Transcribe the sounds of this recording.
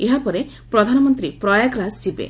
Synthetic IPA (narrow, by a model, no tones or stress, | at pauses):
eɦapɔɾe | pɾɔd̪ʱanɔmɔnt̪ɾipɾɔjaɡɾasd͡ʒibḛ